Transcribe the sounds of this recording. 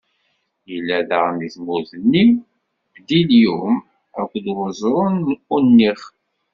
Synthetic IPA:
jəlːæðəʁniθmuðənːi | d̪iljum | ækʷːd̪wəzˤɾˤənunːiχ

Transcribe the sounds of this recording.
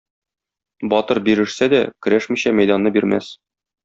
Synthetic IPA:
bɒt̪ɤɾbiɾɘ̆ʃsæd̪ækɘ̆ɾæʃmiɕæmæjd̪ɑnːɤbiɾmæ̰s

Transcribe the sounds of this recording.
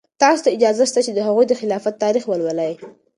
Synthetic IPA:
t̪ɑso̥t̪aɪd͡ʒɑzaʃt̪at͡ʃed̪əɦaɣujd̪əxɪlɑfat̪ːɑɾixwəlwəlaj

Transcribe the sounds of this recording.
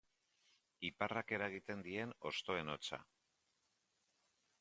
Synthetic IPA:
iparake̞ɾaeɣ̞it̪e̞nd̪ie̞no̞st̪o̞e̞no̞t͡sa̰

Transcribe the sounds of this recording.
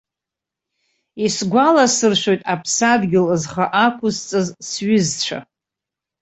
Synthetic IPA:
isɡʷalasɨrʃʷᶣo̞jtʼapʰsadɡʲɪlzχaʔakʷʰʊzt͡sʼɨzsɥɪzt͡ɕʷʰa̰

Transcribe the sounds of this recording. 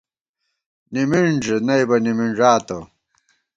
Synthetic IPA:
nimiɳd͡ʑenɐjbɐnimiɳʐaːt̪o̰

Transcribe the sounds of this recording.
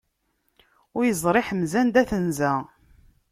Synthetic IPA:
ʊɾjəzˤɾˤeħəmzænd̪æθənzæ

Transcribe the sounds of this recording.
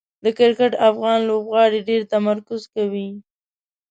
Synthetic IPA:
d̪əkɪɾkɪʈafɣɑnlobɣɑɽeɖeɾt̪amaɾkʊzkawi

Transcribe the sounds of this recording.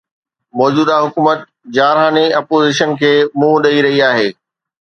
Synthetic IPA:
mɔːd͡ʑuːd̪aɦʊkuːmət̪ | d͡ʑaːɾɦaːniɐpoːziʃənkʰeːmũɗɐiɾɐɦiaːɦeː

